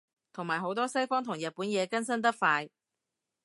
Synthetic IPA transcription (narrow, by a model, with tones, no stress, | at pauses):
t̪ʰʊ˨˩ŋmaː˨˩jɦo˨˧˥wt̪̬ɔː˥sɐ˥jfɔː˥ŋt̪ʰʊ˨˩ŋjɐ˨t̚puː˨˥njɛː˨˧kɐ˥nsɐ˥nt̪ɐ˥k̚faː˧j